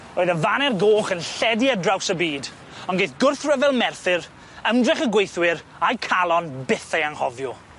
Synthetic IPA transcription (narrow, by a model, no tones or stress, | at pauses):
oːɨðəvanɛrɡoːχənɬɛdiədrawsəbiːd | ɔnɡejθɡ̥ʊrθrəvɛlˠmɛrθɪr | əmdrɪχəɡwejθwɪɾ | ajkʰalˠɔnbɪθejaŋhɔvjʊ